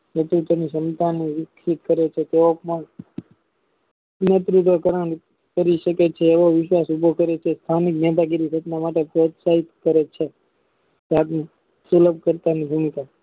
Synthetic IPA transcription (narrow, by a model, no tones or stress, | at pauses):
nət̪ɾuʈ̪onisənt̪aniʋɪkʰɾit̪̚kəɾet͡ʃʰet̪eʋopmaɳ | nət̪ɾuʈ̪okəɾəɳ | kəɾiʃəket͡ʃʰeːʋoʋɪʃʋasubʱokəɾet͡ʃʰest̪ʰaniknat̪̬aɡiɾisət̪namaʈepɾot̪saɦit̪kəɾet͡ʃʰe | d͡ʒat̪n | suləbʱkəɾt̪anibʱumika